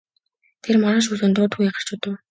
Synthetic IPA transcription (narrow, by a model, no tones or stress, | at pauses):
t̪ʰermɔɾăːʃ̬uːsoːnt̪ʊːt̪ɡujaχə̆r̥t͡ɕʊt̪ə̆w